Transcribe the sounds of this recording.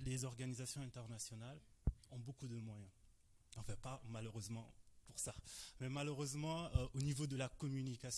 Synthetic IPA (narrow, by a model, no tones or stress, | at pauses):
lezɔʁɡanizasjɔ̃ɛ̃t̪ɛʁnasjɔnalɔ̃bokud̪əmwajɛ̃ | ɑ̃fɛ̃pamaləʁøzmɑ̃puʁsamɛmaləʁøzmɑ̃øʔonivod̪əlakɔmynikas